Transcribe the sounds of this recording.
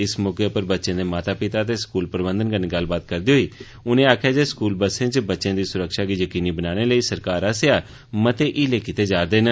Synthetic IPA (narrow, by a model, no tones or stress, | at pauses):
ɪsmoːkeːpəɾbətːʃẽːd̪eːmaːt̪aːpɪt̪aːət̪̬eːskuːlpəɾbə̃nd̪ənkəneːɡəlːbaːt̪kəɾd̪iːɦoiː | ʊnẽːaːkʰjaːd͡ʒeːskuːlbəsẽːt͡ʃbətːʃẽːd̪iːsʊɾəkʃaːɡiːjəkiːniːbənaːneːləiːsəɾkaːɾaseaː | mət̪eːʔiːleːkɪt̪eːd͡ʒaːd̪eːnə